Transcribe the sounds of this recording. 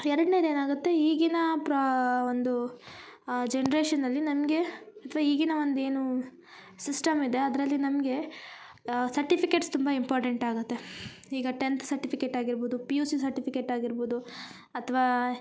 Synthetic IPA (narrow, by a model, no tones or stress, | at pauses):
ɛɾɐɽneːd̪eːnaːɡut̪ːe̞iːɡinɐpɾond̪u | d͡ʒenɐɾeːʃɐnːɐlːinɐmɡe̞ɐt̪ʰɐʋaːiːɡinɐʋond̪ue̞ːnu | sisʈɐmid̪e̞ɐd̪ɾɐlːinɐmɡe̞ | sɐɾʈipʰike̞ʈst̪umbɐimpaːɾʈɐɳʈaːɡut̪ːe | iːɡɐʈent̪sɐɾʈipʰikeʈaːɡiɾboːd̪upijuːsis̬ɐɾʈipikeʈaːɡiɾboːd̪u | ɐt̪ʰɐʋaː